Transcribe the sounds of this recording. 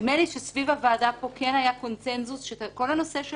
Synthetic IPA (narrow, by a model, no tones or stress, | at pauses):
meniʃesvivavaːd̪apo̞kenajako̞nt͡senzusʃeko̞lhano̞seʃ